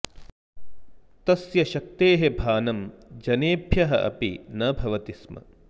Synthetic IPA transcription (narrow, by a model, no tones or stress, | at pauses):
t̪ɐsjɐʃɐk̚t̪eːɦebʱaːnɐmd͡ʒɐneːbʱjɐɦɐ̰ʔɐ̰pḭnɐbʱɐʋɐt̪ismɐ̰